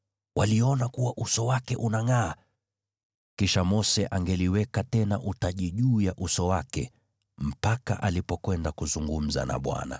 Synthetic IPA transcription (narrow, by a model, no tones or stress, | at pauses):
wʔaliɔnakuwaʔusɔwakɛʔunaŋaː | kiʃamɔsɛʔaŋɡɛliwɛkatɛnaʔutaʄiʄuːjaʔusɔwakɛ̰ | m̩paka̰ʔalipɔkwɛndakuzuŋɡum̩za̰na̰ɓwa̰na̰